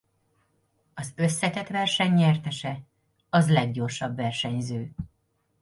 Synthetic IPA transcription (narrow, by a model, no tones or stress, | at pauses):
ɒzø̞sːɛt̪ɛt̪ʋɛrʃɛɲːɛrt̪ɛʃɛ | ɒzlɛɡɟo̞rʃɒbvɛrʃɛɲzøː